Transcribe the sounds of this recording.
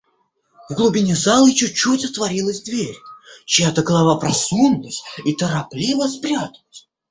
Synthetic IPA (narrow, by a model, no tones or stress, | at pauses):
vɡlˠʊbʲɪnʲɪzalˠɨt͡ɕuːutʲɐt̪vɐɾʲilˠəzʲd̪vʲeɾʲt͡ɕɪjat̪əɡəlˠavapɾɐsunːəsʲit̪əɾɐplʲivəspɾʲat̪əlˠəsʲ